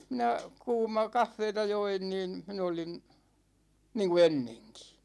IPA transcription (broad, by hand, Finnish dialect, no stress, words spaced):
minæ kuːmɑ kɑfːeːtɑ join niːn̞ min olin̞ niːŋku enːeŋki̥